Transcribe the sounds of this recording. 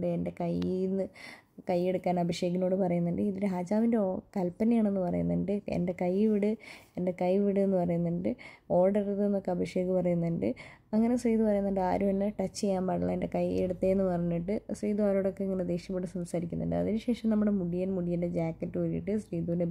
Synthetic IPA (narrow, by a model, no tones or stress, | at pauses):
ɖɨe̞ndekɐjnːɨ | kɐjːe̞ɽukːaːnɐbʱɐʂje̞ːɡɐno̞ːɽɨpɐrɐjunːɐɳɖɨiðiɾeɦaːd͡ʑaːʋindekɐlpːɐnijaːɳe̞nːɨpɐrɐ̰junːɐɳɖɨḛnde̞kɐjʋiɽɨe̞nde̞kɐjʋiɽɨenːɨpɐrɐjunːɐɳɖɨo̞ːrɖɐriðenːo̞kːeɐbʱɐʂeɡɨpɐrɐjunːɐɳɖɨ | ɐŋːɐne̞sriːd̪ipɐrɐjunːɐɳɖɨa̰ːɾuenːeʈɐt͡ɕːejːaːmpɐɽɐɭɐ̰ende̞kɐjḛɽut̪ːeenːɨpɐrɐɲːiʈːɨsriːd̪uaːɾoːɽo̞kːeɐŋːɐne̞d̪e̞ːʂjɐmːiʈːɨsɐmsaːɾikʲːunːɐ̰ɳɖɨ̰ɐ̰ðinɨɕe̞ːʂɐmnɐmːuɽemuɽijɐnmuɽijende̞d͡ʑaːkːɐtːuʋɐɾijḭʈːɨsriːðuʋine